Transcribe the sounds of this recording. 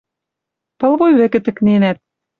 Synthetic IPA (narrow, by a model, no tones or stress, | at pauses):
pɤ̆lβojβɘ̆kɘ̆t̪ɘ̆knenæt̪̚